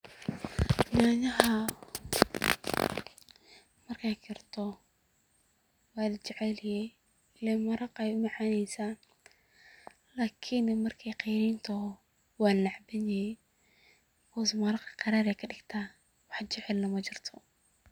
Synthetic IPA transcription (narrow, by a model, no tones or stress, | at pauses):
maːnɐɦɐ | mɐrkʰɛjkʰɪrt̪ʰɔ | wɑːlɐt͡ʃɛʕɛlɪjɛ | lɛːmɐɾɑqɛjʊmɑʕaːnɛjsaː | laːkʰɪnmɐrkʰɛjqɛjɾɪːnt̪ʰɔ | wɑːnlɐʕbɐnɛjɛ | kʰɔːsmɐɾɑqqɑɾaːɾɛjkʰɐɖɪɡt̪ʰaː | wɑħt͡ʃɛʕɛlnɐmɐt͡ʃɪrt̪ʰɔ